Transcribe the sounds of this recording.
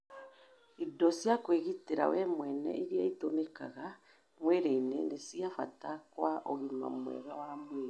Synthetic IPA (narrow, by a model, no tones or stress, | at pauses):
idɔsjakweɣiteɾa̰wɛmwɛnɛ̰ʔiɾiaitomeka̰ɣa | mweɾeinenesiafa̰takwaʔoɣima̰mwɛ̰ɾawamweːɾe